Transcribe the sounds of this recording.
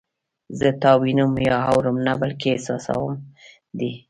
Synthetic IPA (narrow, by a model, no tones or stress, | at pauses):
zət̪ɑwinumjɑɦawɾəmnabalkeesɑsa̰wəm | d̪i